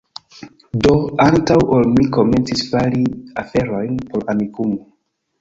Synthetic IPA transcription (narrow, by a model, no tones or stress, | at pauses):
do̞antawolmiko̞me̞nt͡sisfaliafe̞ɾo̞jnpo̞ɾamikumo